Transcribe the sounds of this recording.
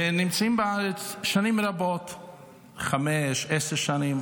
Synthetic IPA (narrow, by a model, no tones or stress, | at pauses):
nɪmt͡saimbɪaɾət͡sʃanimvɾabɔt | χamɛʃɛsəɾʃanim